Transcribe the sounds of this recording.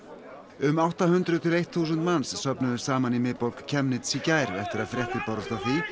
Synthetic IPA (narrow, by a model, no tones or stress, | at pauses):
ʏmawht̪aɦʏnt̪ɾʏðt̪ʰɪlejht̪θuːsʏnt̪mansːœpnʏðʏɾ̥saːmanimɪðpowlkcʰɛmnɪt̪sicajɾvɛ̰ht̪ɪɾaðfɾjɛht̪ɪpaɾʏst̪aθi